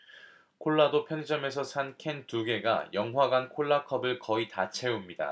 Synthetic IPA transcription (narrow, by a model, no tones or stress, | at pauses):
kʰoɭːadopʰjʌnd͡ʑʌme̞sʰʌsʰankʰe̞ntuɡe̞ɡa̰jʌŋwaɡankʰoɭːakʰʌbɯɭkʌitat͡ɕʰe̞umɲida̰